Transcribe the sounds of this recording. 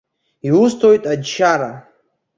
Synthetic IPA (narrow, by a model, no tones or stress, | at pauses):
iwustʰojtʼadʃaɾa